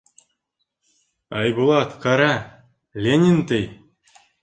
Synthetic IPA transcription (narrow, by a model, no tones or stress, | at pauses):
ɑjbulˠɑt̪kɑɾa | lʲenʲint̪ɘj